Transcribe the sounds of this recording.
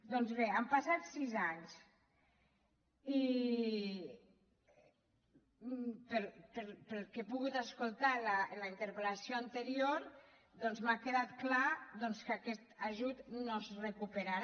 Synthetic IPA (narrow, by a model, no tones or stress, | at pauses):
d̪ɔnzβeampasat̪sizaɲs | i | pəlpəɾpəlˠkepuɣut̪askolˠt̪alalaint̪əɾpelasioant̪eɾioɾ | d̪ɔnzmakeðat̪klaðɔnskakɛt̪aʒut̪nozrekupeɾaɾ